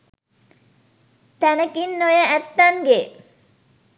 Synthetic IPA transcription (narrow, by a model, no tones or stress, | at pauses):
t̪ænəkinːojəæt̪ːaŋɡe